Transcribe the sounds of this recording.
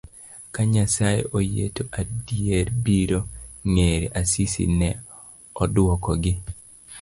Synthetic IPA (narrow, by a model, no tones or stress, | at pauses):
kaɲasajḛʔojḛtoʔadieɾbiɾoŋeɾḛʔasisḭnɛ | ɔdʊwɔkɔɡɪ